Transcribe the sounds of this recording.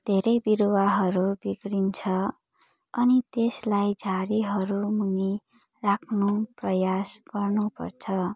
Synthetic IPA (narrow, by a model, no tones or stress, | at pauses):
d̪̥ʱeɾʌjbiɾowaɦʌɾubiɡɾint͡sʰʌ | ʌnit̪eslajd͡zʱaɾiɦʌɾumuni | rakʰnuprʌjasɡ̥ʌrnupʌ̰rt͡sʰʌ